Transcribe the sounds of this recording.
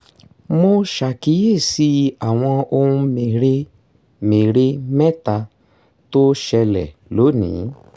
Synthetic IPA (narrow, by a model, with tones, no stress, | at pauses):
mo˧ʃa˨ki˨˦je˦˨si˨˦a˦˨w̃ɔ̃˧o˧ɾũ˧˦me˨ɾe˦ | me˨ɾe˦mɛ˦ta˧ | to˦ʃɛ˧lɛ̰˨lo˨˦nḭ̃˨˦